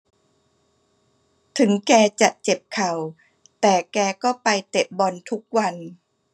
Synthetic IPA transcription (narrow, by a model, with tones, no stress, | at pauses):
t̪ʰɯ˩˦ŋkɛː˧t͡ɕa˨˩ʔt͡ɕe˨˩p̚kʰa˨˩w | t̪ɛː˨˩kɛː˧kɔː˥˩pa˧jt̪e˨˩p̚bɔ˧nt̪ʰu˦˥k̚wa˧n